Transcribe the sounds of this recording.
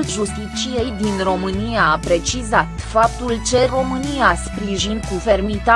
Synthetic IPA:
lʒust̪it͡ʃije̞jd̪inro̞mɨnijaːpɾe̞t͡ʃizat̪fap̚t̪ult͡ʃe̞ro̞mɨnijaspɾiʒinkufe̞rmit̪a

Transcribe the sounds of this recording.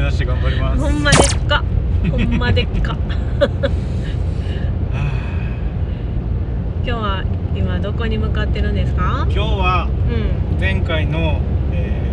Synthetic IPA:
anaɕieɡãmbaɾʲimahõmːad̪e̥kːahõmːad̪ekːa | a | kʲo̞ːβaimad̪o̞ko̞ɲ̟imɯ̟kat̪ːe̞ɾɯ̟̃nd̪e̞sɨ̥kakʲo̞ːβaɯ̟̃ɴd͡zẽ̞ŋkaino̞eː

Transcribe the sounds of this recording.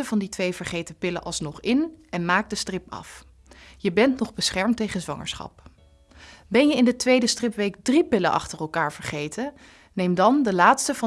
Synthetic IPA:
əvɑnditʋejvəɹχejtəpɪləʔɑlˠsnɔχɪnɛnmaːk̚dəstrɪpɑ̰f | jəbɛntnɔχbəsχɛɹmtejχənzʋɑ̰ŋə̰ɹsχɑ̰p̚ | bɛnjəɪndətʋejdəstrɪpʋejkdripɪlənʔɑ̰χtərɛlˠkaːɹv̥əɹχejtə | nejmdɑndəlaːtstəvɑ

